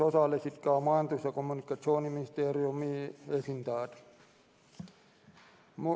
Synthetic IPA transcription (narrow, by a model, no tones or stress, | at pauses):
osɑlːesit̪kæːomɑint̪usːɑkomːunikːɑt̪soːniminist̪eːriumiːesint̪ɑːt̪ | mu